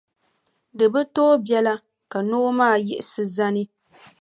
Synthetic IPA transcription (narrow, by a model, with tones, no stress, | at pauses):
dɨ˨bɨ˦toː˦bjɛ˦la˦ | ka˨no˦maː˦˨jɛ̰˦ʔɪ˨sɨ˦za˦nɨ˦